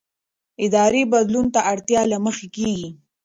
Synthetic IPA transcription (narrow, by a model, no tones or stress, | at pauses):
ɪd̪ɑɾebad̪lunt̪aʔaɽt̪jɑlaməxekeɡi